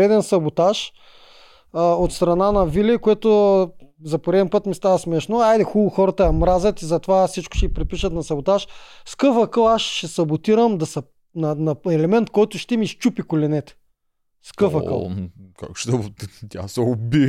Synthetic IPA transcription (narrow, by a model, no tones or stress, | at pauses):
ɾɛd̪ɛnsɐbot̪aʃ | ot̪st̪ɾɐnanɐvilʲɛkoɛt̪ʊ | zɐpoɾɛd̪ɛnpɤt̪mist̪avɐsmɛʃnoajd̪ɛxulˠʊxɔɾɐt̪əjɐmɾazɐt̪izɐt̪ovasit͡ʃkʊ̥ʃɛipɾɛt̪̚piʃət̪nɐsɐbot̪aʃskɤfɐkəlˠaʃʃɛsɐbot̪iɾəmd̪ɐsɐ | nɐnɐɛlɛmɛnt̪kɔjt̪ʊʃt̪ɛmiʃt͡ʃupikolʲɛnɛt̪ɛ̥ | skɤfɐkə̰lˠka̰kʃt̪ɛt̪ʲa̰sɛobi